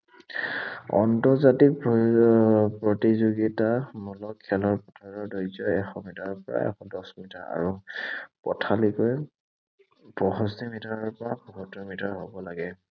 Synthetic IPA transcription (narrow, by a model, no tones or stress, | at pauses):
ɔ̰ntɔɹzatik̚ | pɹɔtizoɡitamɔlɔkʰːɛlɔɹpɔtʰaɹɔɹdɔjzɔɛxɔmitaɹɔpɔɹa̰ɛ̰xɔdɔsmitaɹa̰ɹupɔtʰalikɔj | pɔɦɔstimitaɹɔɹpɔɹabuɦɔtːɔmitaɹɦɔbɔlaɡɛ